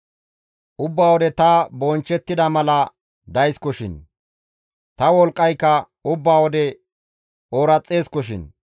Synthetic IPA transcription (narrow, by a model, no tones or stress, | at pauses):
ʔʊbːaːwɔd̪ɛt̪ɐbɔnt͡ʃːɛt̪ːɪd̪ɐmɐlɐ | d̪ɐjskɔʃɪ̰n | t̪ɐwɔlkʼːɐjkːɐ | ʊbːaːwɔd̪ɛ | oːɾɐt͡sʼːe̞ːskɔʃ̬ɪ̰n